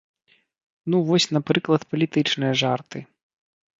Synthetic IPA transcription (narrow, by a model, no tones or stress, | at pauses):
nuvɔsʲn̪apɾɨklˠɐt̪pɐlʲit̪ɨt͡ʂnɨjɐʐart̪ɨ